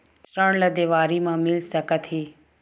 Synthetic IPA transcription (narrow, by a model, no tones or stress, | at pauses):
səɳ̃ləd̪eːʋaːɾimãːmɪlsəkət̪ʰiː